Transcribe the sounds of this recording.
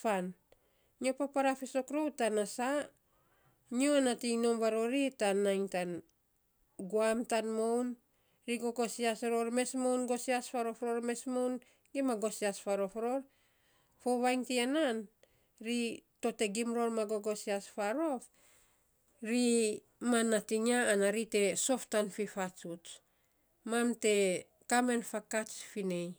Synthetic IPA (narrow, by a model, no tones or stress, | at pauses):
pan | nio̞papaɾafiso̞kɾowtanasa | nioanatiŋno̞mβaɾo̞ɾitanːajŋtan | ɡuamtanmown | ɾiɡo̞ɡo̞siasɾo̞ɾme̞smo̞wnɡo̞siaspaɾo̞fɾo̞ɾme̞smo̞wn | ɡimaɡo̞siaspaɾo̞fɾo̞ɾ | fo̞βajŋtienan | ɾito̞te̞ɡimɾo̞ɾmaɡo̞ɡo̞siasfaɾo̞f | ɾi | manːatiŋaːnaɾite̞so̞ftanfifat͡ʃut͡ʃ | mamte̞ | kame̞nfakat͡ʃfine̞j